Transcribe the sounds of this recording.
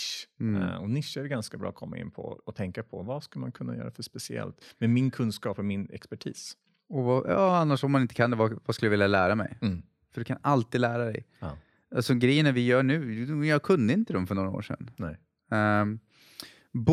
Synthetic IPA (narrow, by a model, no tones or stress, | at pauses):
ɔnɪʂːɛɖɛɡanskabɾɑ̰ːkʰɔmːa̰ɪ̰nːpʰɔ̰ɔt̪ʰɛŋkapʰɔ̰vaskɵləma̰nkʰɵnːa̰jœ̰ːɾa̰fœʂpɛsɪɛ̰lt̪mɛmɪnkʰɵnskɑːpɔmɪnɛ̰kspæʈʰḭːs | ɔvajɑ̰ːanːaʂɔmːanɪnt̪ə̥kʰand̪ɛvavaskɵljavɪːljalæːɾamɛ̰j | fœɖɵkʰanalt̪iːd̪læːɾad̪ɛ̰j | asɔɡɾɛjːənavɪjœːɳʉ̟ːjɑːkʰɵnd̪əɪnt̪əd̪ɔmfœɳɔːɾao̰ːʂɛ̰nnɛ | b